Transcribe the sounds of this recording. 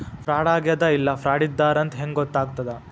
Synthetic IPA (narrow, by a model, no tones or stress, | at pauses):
fʰɾaːɽaːɡjɐd̪ɐilːɐfʰɾaːɽid̪ːaːɾɐnt̪ɦeŋɡɡɔt̪ːaːɡt̪ɐd̪e